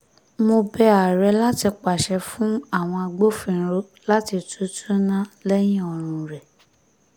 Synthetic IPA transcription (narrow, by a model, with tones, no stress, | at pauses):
mo˧bɛ˧a˨ɾɛ˨˧la˦ti˧k͡pa˨ʃɛ˧fũ˦a˦˨w̃ɔ̃˧a˧ɡ͡bo˦fĩ˧˦ɾo˦ | la˦ti˧tu˦tʰu˦nã˦lɛ˦j̃ĩ˦ɔ˧ɾ̃ũ˧ɾɛ˨